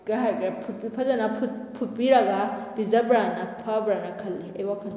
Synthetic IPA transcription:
ɡaɦajɡɾapʰut̚bipʰɐzɐnɐpʰut̚ | pʰut̚biɾɐɡab̥izɐbɾanɐpʰabɾanɐkʰɐlːiɐjwakʰɐl

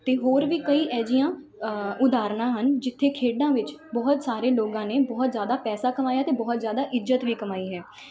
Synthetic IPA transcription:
t̪eːɦoːɾʋiːkəiːʔɛːd͡ʒijãː | ʊd̪aːɾɳãːɦənd͡ʒɪt̪ʰːeːkʰeːɖãːʋɪt͡ʃbɔːt̪saːɾeːloːɡãːneːbɔːt̪zjaːd̪aːpɛːsaːkəmaːjaːt̪eːbɔːt̪zjaːd̪aːʔɪzət̪ʋiːkəmaːiːɦɛː

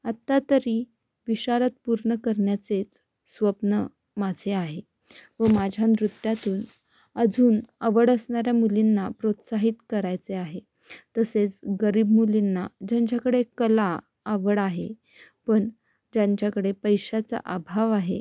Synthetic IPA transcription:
at̪ːat̪əɾiː | ʋiɕaɾət̪̚puɾɳəkəɾɳjat͡set͡s | sʋəpnə | mad͡zʱeaɦe | ʋəmad͡ʑʱjanɾut̪jat̪uːn | əd͡zʱuːnəʋəɽəsɳaɾjamulinːapɾot̪saɦit̪kəɾajt͡seaɦe | t̪əset͡sɡəɾiːbmulinːad͡ʑaɲt͡ɕjakəɽekəlaː | ʋəɽaɦe | pəɳ | d͡ʑaɲt͡ɕakəɽepəjɕat͡sa̰ʔabʱaʋaɦe

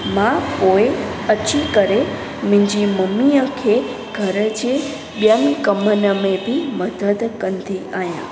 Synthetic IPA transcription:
mãpoe | ət͡ʃikəɾe | mĩɲd͡ʒiməmːiəkʰe | ɡ̥ʱəɾəd͡ʒe | bjənkəmənəmebʱiməd̪əd̪kənt̪ʰiʔajã̰

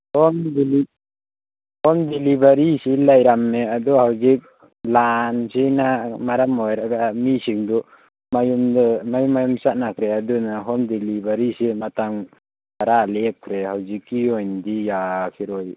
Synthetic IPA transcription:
hɔmd̪ili | hɔmd̪ilibaɾisilajɾamːɛad̪ɔɦawd͡ʒik̚ | lansinamaɾamɔjɾaʔɡamisiŋd̪ɔ | majummajumajumsaʔnakɾɛad̪ɔnaɦɔnd̪ilibaɾisimat̪aŋ | aɾalɛkʰɾɛɦawd͡ʒikiɔjnd̪ijakʰiɾɔj

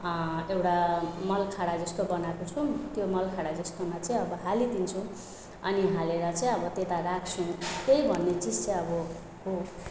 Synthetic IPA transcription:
ewʈamʌlkʰaɽad͡zʌst̪obʌnakot͡sʰut̪jomʌlkʰaɽad͡zʌst̪omat͡saĩʌbʌɦalit̪int͡sʰu | ʌ̰niɦaleɾʌt͡saĩʌbʌt̪et̪arakʰt͡sʰũkejbʱʌnːet͡sid͡zt͡sj̃ʌbʌ | ɦo

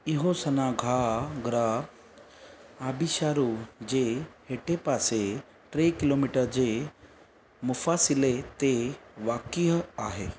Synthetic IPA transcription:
iɦosɐnaɡʱaɡɾa | abiɕaːɾud͡ʑeɦeʈepase | ʈɾekilomiʈəɾd͡ʑe | mʊfasilet̪eʋakiɦaːɦe

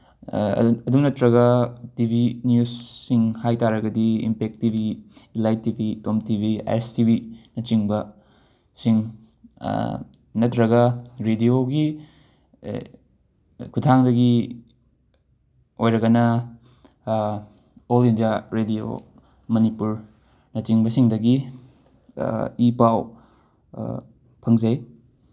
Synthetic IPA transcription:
ɐduŋnɐtɾɐɡɐtibʱinjussiŋhajtaɾɐɡɐdiḭmpek̚tibʱilajtːibitomtibʱia̰jɾstibʱinɐt͡ʃiŋbɐ | siŋ | nɐtɾɐɡɐɾedioɡi | kʰutʰaŋdɐɡi | ojɾɐɡɐnɐ | olindijaɾedio̰ | mɐnipuɾ | nɐt͡ʃiŋbɐsiŋdɐɡi | ipaw | pʰɐŋzɐj

